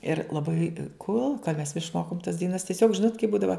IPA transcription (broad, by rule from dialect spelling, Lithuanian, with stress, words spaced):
ɪr lˠɐˈbɐɪ ˈkoːlˠ mʲɛs ɪʃˈmoːkoːm tɐs dɐɪˈnɐs tʲiɛˈsʲoːk ˈʒʲɪnoːt kɐɪ ˈbuːdɐʋɐ